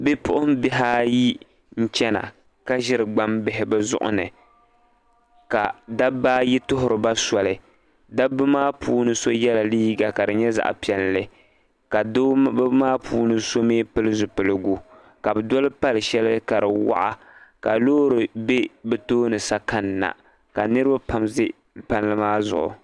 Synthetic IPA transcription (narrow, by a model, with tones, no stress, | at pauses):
bɪ˦pʊ̰˦ʔʊ˦m˦bɪ˦ɦa˦ji˦ | n̩˦t͡ʃɛ˦na̰˨ | ka˦ʒɪ˦ɾɨ˨ɡ͡ba˦mbɪ˦ɦɪ˨bɨ˦zʊ̰˦ʔʊ̰˦nɨ̰˨ | ka̰˨da˦baː˦ji˦tʊ˦ɦʊ˨ɾɨ˨ba˦sɔ˨lɨ˨ | da˦bɨ˦maː˦pʰuː˦nɨ˦so˦jɛ˦la˨liː˦ɡa˨ka˨dɨ˨ɲɛ˦za̰˦ʔpi˨ɛ˨lːlɨ˦ | ka˨˦maː˦pʰuː˦nɨ˦so˦meː˦pɨ˦lɨ˦zʊ˨pɨ˨lɨ˨ɡu˦ | ka˨bɨ˨dɔ˦lɨ˦pa˦lɨ˨ʃɛ˦lɨ˦ka˨ɾɨ˨wa̰˦ʔa̰˦ | ka˨loː˦ɾɨ˨be˦bɨ˦toː˦nɨ˨sa˦ka˦nːa̰˨ | ka˨nɨ˦ɾɨ˦ba˦pa˦m˦ | pa˦n˦lɨ˦maː˦zʊ̰˨ʔʊ̰˨